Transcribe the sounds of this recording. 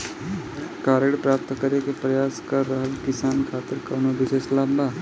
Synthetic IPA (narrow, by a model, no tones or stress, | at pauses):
kaːɾeɽpɾaːp̚t̪kɐɾekepɾɐjaːskɐɾːəɦəlkɪsaːnkʰaːt̪ɪɾkɐːnobɪʃeːʃlaːbbaː